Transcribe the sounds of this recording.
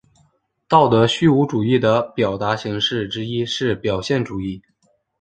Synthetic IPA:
t̪ɑ˥˩ʊt̪ɤ˧˥ɕy˥˩u˧˥ʈ͡ʂu˨˩i˥˩d̪ə˩pjɑ˨˩ʊt̪a˧˥ɕi˧˥ŋʂɻ̩˥˩ʈ͡ʂɻ̩˥i˥ʂɻ̩˥˩pjɑ˨˩ʊɕjɛ˥˩nʈ͡ʂu˨˩i˥˩

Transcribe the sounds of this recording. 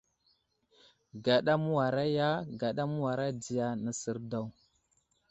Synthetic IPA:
ɡa˨ɗa˦mu˦wa˨ɾa˦ja˦ɡa˨ɗa˦mu˦wa˨ɾa˦di˨ja˨nə˨sə˨ɾda˦˨w

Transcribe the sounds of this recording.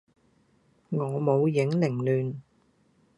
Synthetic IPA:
ŋɔː˨˧mo˨˧wjɪ˨˥ŋlɪ˨˩ŋlyː˨n

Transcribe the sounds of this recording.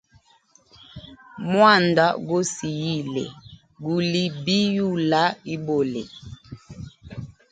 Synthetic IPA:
mwa˦˨nda˦ɡo˦si˨ji˦˨lɛ̰˨ | ɡu˨li˦bi˦ju˦˨la˦i˦bo˨lɛ˨

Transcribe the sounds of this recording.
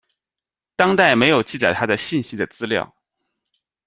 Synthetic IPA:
t̪ɑ˥ŋt̪a˥˩ɪme˧˥ɪjo˨˩ʊt͡ɕi˥˩t͡sa˨˩ɪt̪ʰa˥d̪ə˨ɕi˥˩nɕi˥d̪ə˨t͡sɹ̩˥ljɑ̰˥˩ʊ

